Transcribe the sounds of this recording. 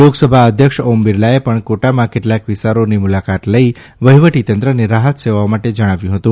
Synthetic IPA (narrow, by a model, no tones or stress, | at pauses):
loɡsəbʱaəd̪ʱjəkʃombiɾlaepəɳkoʈamãkeʈlakʋist̪aɾonimulakat̪ləi | ʋəɦiʋəʈit̪ənt̪ɾəneɾaɦət̪seʋaamaʈed͡ʒəɽ̃aʋjũɦət̪ũ